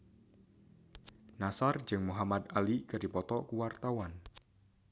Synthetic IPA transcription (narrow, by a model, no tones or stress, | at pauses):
nasard͡ʒɨŋmuɦamad̪alikɨrdipɔt̪ɔkuwart̪awan